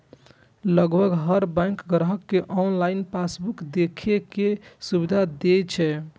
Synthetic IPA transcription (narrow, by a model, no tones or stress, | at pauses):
ləɡbʱəɡɦəɾbɛ̃ŋkɡɾɦəkːeʔɔnlainpasbukd̪ekʰekesubid̪ʱad̪et͡ʃʰɛ